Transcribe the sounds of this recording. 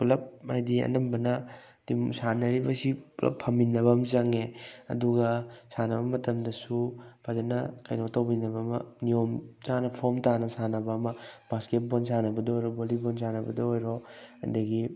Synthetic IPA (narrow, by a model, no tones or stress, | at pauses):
pulɐp̚majdiɐ̰nɐmbɐnɐ | dimsanɐɾibɐsiplɐ̰pʰɐmbinɐbɐmzaŋeɐ̰duɡɐsanɐbɐmɐtɐmdɐsupʰazɐnɐkɐ̰jnotɐwbinɐbɐmɐ̰nijomzanɐpʰoɾmtanɐsanɐbɐːmɐb̥asket̚bonsanɐbɐdɐojɾobolibonsanɐbɐ̰dɐojɾoɐ̰dɐɡi